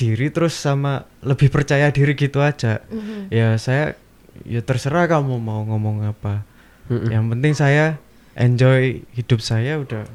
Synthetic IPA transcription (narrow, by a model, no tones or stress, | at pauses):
d̥iɾit̪əɾʊsːamaləbɪhpərt͡ʃajadiɾiɡit̪uḁd͡ʒ̥ajasaja | jat̪ərsəɾahkamumauŋɔmɔŋapa | jaŋpənt̪ɪŋsaja | ʔɛ̰ɲd͡ʒɔjhid̥ʊp̚sajaud̥ah